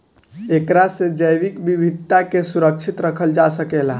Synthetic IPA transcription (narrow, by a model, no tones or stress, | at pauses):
ekɾased͡ʒəjʋikbibʱid̪̚ʱt̪akesuɾək̚t͡ʃʰit̪ɾəkʰəld͡ʒasəkela̰